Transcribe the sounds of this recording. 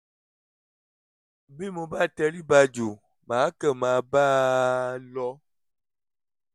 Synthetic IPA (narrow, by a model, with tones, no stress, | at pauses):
bi˦mõ˨ba˦˨t̪ɛ˦li˦ba˦d͡ʒo˨ | mã˨˦kɛ˦˨mã˨ba˦ | lɔ˦